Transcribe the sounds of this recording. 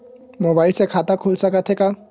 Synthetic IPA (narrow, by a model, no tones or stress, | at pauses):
mobajlsekʰat̪akʰulsakat̪ʰeka